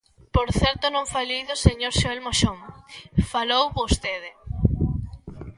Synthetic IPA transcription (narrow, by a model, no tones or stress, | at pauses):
poɾθɛɾt̪onõŋfalejðoseɲoɾʃoelmoʃoŋfalowβost̪eðɪ